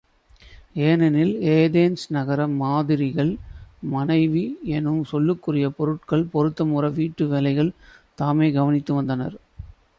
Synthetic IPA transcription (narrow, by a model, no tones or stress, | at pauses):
eːnɐnɪleːðeːnsnɐɣɐɾɐmaːðɪɾɪɣɐɭmɐnɐɪʋiɛnɯmsɔlːɯkːɯrɪjɐpɔɾɯʈ̚kɐɭpɔɾɯt̪ːɐmurɐʋiːʈːɯʋɛːlɐɪɣɐɭt̪aːmeːɡɐʋɐnɪt̪ːɯʋɐnd̪ɐnɐ̰ɾ